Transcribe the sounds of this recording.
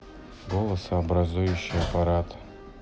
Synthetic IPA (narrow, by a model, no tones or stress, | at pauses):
ɡolˠɐsabɾazujuɕːijapaɾatʰʼ